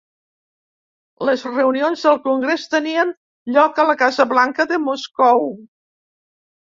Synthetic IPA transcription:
ləzrəunionzðəlˠkuŋɡɾest̪əniən | ʎɔkələkazəβlaŋkəðəmoskɔw

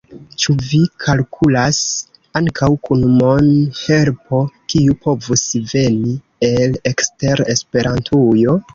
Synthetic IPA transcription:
t͡ʃuvikʰalkʰulas | aŋkawkunmonhe̞lpʰo̞kiupʰo̞vusve̞ni | e̞lekste̞ɾe̞spe̞ɾantʰujo̞

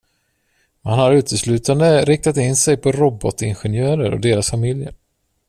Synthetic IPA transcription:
mhanhaɾʉ̟ːt̪ʰəslʉ̟ːt̪and̪əɾɪk̚t̪at̪ɪnːsɛjpʰɔɾɔbɔt̪ɪnɧɛnjœːɾəɾɔ̰d̪eːɾasfamɪljə̰ɾ

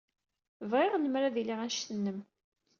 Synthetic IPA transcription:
vʁɪʁnəmɾaðiliʁæʃθənːəm

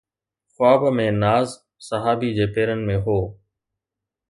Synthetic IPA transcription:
xʊaːbmẽːnaːz | səɦaːbiːd͡ʑeːpeːɾənɪ̆mẽːɦoː

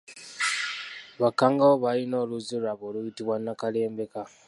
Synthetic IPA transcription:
βakaŋɡawoβajino̞luzuɾaβolujitiβwanakale̞ːmbe̞ka

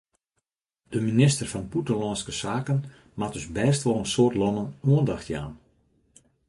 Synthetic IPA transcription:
d̥əminɪstərvɑnputəlɔnskəsaːkən | mat̚dʏsbɛːstʋɔlˠənsoːrtlɔnənuəndɔxtja̰ːn

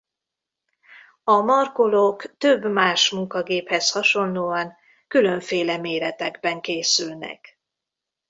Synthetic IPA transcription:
ɒmɒrkolokt̪øbmaːʃmuŋkɒɡeːphɛshɒʃo̞nːoːɒŋ | kylø̞ɱfeːlɛmeːɾɛt̪ɛɡbɛŋkeːsylnɛ̰k

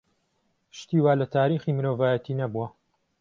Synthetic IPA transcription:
ʃt̪iːwaːlɐt̪ʰaːɾiːxiːmɨɾoːvaːjɐt̪ʰiːnɐbuwɐ

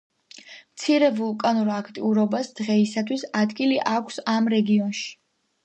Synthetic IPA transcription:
mt̪sʰiɾɛvulˠkʼanuɾakʰt̪ʼḭuɾɔbasd̪̥ʁɛisat̪ʰwisad̪ɡiliʔakʷʰsamɾɛɡiɔnʃi̥

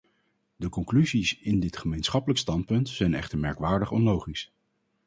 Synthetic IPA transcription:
dəkɔŋklyzisɪndɪtχəmejnsχɑpələkstɑnt̚pɵntsɛjnɛ̰χtəɹmɛ̰ɹkʋaːɹdəχɔnlowχis

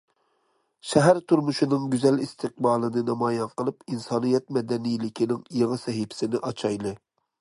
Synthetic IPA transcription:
ʃɛɦæɾt̪ʰuɾmuʃinɨŋɡʲyzɛlist̪ʰɨq̚bɑːlˠɨnɨnɑmɑːjɑnqəlˠɨpinsɑːnijɛt̪mɛd̪ɛnijlɪkʲʰinɪŋjeʁɨsɛɦɪpʰɪ̥sɪnɪʔɑt͡ʃʰɑjlˠɨ

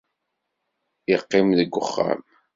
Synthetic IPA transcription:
ɪqːɪmðəɡʷːʊχːa̰m

